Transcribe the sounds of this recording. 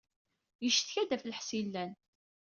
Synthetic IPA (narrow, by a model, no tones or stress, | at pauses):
jəʃθçæd̪æfləħsilːæn